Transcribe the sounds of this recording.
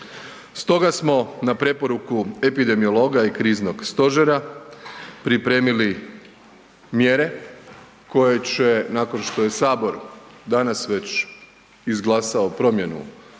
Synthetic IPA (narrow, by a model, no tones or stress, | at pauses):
st̪o̞ɡasmo̞napɾe̞po̞ɾukue̞pid̪e̞mio̞lˠo̞ɡaikɾiːzno̞ɡst̪o̞ʒeɾa | pɾipɾe̞ːmili | mje̞ɾe̞ | ko̞je̞t͡ɕe̞nako̞nʃt̪o̞je̞saːbo̞ɾd̪anasʋe̞t͡ɕ | izɡlˠaːsaopɾo̞mje̞nṵ